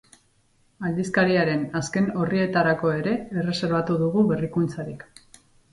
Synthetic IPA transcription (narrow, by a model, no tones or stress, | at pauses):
ald̪iskaɾiaɾe̞naske̞no̞rie̞t̪aɾako̞e̞ɾe̞ːre̞se̞ɾβat̪uðuɣuβe̞rikunt͡saɾik